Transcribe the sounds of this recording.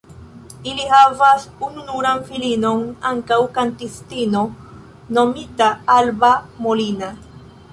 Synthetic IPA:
ilihavasununuɾanfilino̞naŋkawkantistino̞ | no̞mitaalbamolina

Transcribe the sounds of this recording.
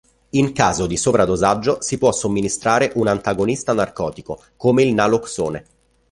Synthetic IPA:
iŋkaːzod̪isoːvɾad̪ozad͡ʒːosipwɔsːomːinist̪ɾaːɾeʔunant̪aɡonist̪anarkɔːt̪iko | komeilnaloksoːne

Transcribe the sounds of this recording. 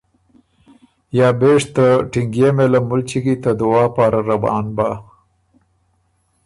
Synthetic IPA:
jɑːbeʂt̪əʈiŋɡjemelamʊlt͡ʃiɡit̪ad̪ʊwɑːpɑːɾaɾabɑ̰ːnba

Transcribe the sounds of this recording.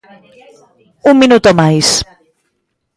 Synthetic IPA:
umminut̪omajs

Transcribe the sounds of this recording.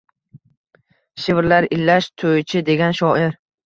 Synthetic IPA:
ʃɪvɾlaɾɪlːaʃt̪ʰojt͡ʃʰɪd̪e̞ɡʲanʃɒʔɪɾ

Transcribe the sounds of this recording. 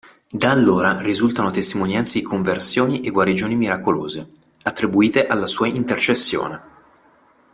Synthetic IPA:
d̪aːlːoːɾarizult̪anot̪est̪imonjant̪sed̪ikʰoɱversjoːniʔeɡwaɾid͡ʒoːnimiɾakolo̰ːze | at̪ːɾibuiːt̪eʔalːasuːaint̪ert͡ʃesːjo̰ːne

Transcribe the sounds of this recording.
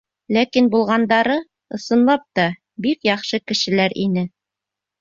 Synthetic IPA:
lækinbulˠʁɑnd̪ɑɾɤ | ɤ̆sɤ̆nlˠɑp̚t̪ɑ | bikjɑχʃɤkɘ̆ʃɘ̆læɾinɘ

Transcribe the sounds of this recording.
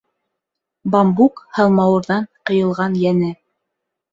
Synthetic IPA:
bɑmbukhɑlˠmɑwɤ̆ɾðɑɴqɤ̆jɤ̆lˠʁɑnjænɘ

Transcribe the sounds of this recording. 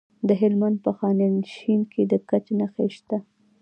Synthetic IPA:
d̪əɦɪlmand̪̚pəxɑnanʃinkʰed̪əkat͡ʃenaxeʃt̪a

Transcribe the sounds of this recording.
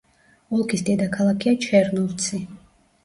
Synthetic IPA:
ɔlˠkʰisd̪ɛd̪akʰalˠakʰiat͡ʃʰɛɾnulˠt̪sʰi

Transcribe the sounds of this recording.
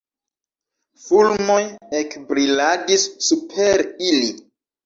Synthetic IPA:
fulmo̞jekbɾiladisːupʰeɾili

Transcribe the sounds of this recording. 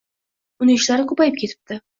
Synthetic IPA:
ʊnɪŋɪʃlaɾɪkʰɵpajɪp̚kʲʰe̞t̪ʰɪ̥p̚t̪ɪ

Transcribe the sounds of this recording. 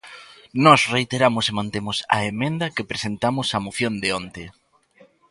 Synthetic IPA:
nɔsrejt̪eɾamʊsemãnt̪emʊsɐ̰emẽnd̪ɐkepɾesent̪amʊsɐmoθjond̪eont̪e

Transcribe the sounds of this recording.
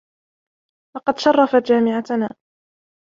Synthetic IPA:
lɑqɑd̪ʃɑrˤːɑfat̪d͡ʒaːmɪʕat̪naː

